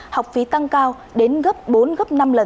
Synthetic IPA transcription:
ha˨˩wk͡p̚fḭ˧˨˦t̪a˧ŋkaː˧w | ɗe˨˦nɣə˦˥p̚ɓo˨˦nɣə˦˥p̚na˧mlə˨˩

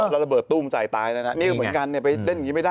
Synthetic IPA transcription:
la˧ɾla˧bɤː˨˩t̪ːu˥˩mt͡ɕa̰ː˨˩jt̪aː˧jna˦˥na˦˥ʔniː˥˩kʰːm˩˦nka˧nːi˥˩ɐpa˧jle˥˩na˨ŋi˦ma˥˩jdaː˥

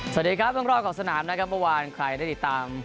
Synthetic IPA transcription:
sa˨˩diː˨˧kʰɾa˦˥p̚bɯ˥˩əɾɔː˥˩p̚kɔː˨˩ksa˧naː˩˦mna˦˥kʰa˦˥p̚mɤ˥˩waː˧nkʰɾa˧˩jda˥˩jt̪i˨˩t̪ːaː˧m

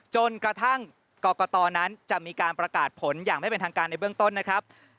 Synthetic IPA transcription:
t͡ɕo˧nkɾa˧t̪ʰa˥˩ŋ | kɔː˧˩kɔː˧t̪ɔː˧na˦˥nt͡ɕa˨˩ʔmiː˧kaː˧npɾa˧kaː˨˩t̪̚pʰo˩˦njaː˨˩ŋma˥˩jpe˧nt̪ʰaː˧kaː˧nːa˧jbɯ˥˩əŋt̪o˥˩nːa˦˥kʰɾa˦˥p̚

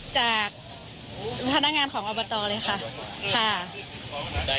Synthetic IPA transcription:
t͡ɕaː˨˩k̚ | p̪ʰa˧na˦˥kŋaː˧nkʰɔː˩˦ŋʔɔː˧bɔː˧t̪ɔː˧lɤː˧jxʰa˥˩kʰa˥˩

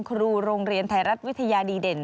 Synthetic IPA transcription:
kʰɾuː˧ɾoː˧ŋɾi˧ənt̪ʰaː˧˩jɾa˦˥t̪̚wi˦˥t̪ʰːa˧jaː˧diː˧de˨˩n

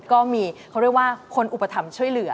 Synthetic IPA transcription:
kɔː˥˩miː˧kʰa˦˥wɾi˥˩ək̚waː˥˩kʰo˧nʔu˨˩pːa˧t̪ʰa˧mt͡ɕʰu˥˩əjlɯ˩˦ɐ

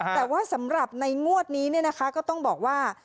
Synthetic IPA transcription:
t̪ɛː˨˩waː˥˩sa˩˦mɾa˨˩p̚na˧jŋu˥˩ət̪̚niː˦˥ni˥˩ɐna˦˥kʰa˦˥kɔː˥˩t̪ɔ˥˩ŋbɔː˨˩k̚waː˥˩

